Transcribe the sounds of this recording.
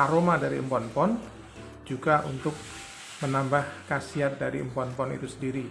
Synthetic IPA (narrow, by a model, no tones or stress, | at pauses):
aɾomadaɾiəmpɔnpɔn | d͡ʒuɡaʔṵnt̪ʊk̚ | mənambahkasiat̪̚daɾḭəmpɔnpɔnḭt̪usəndiɾi